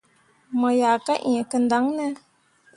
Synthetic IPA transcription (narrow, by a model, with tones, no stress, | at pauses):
mɔ˨ja˨ka˦ʔɛ˨kə˨n˦da˨˦ŋnə˦